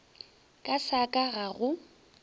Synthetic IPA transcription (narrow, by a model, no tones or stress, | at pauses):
kʼasakʼaɣaɣʊ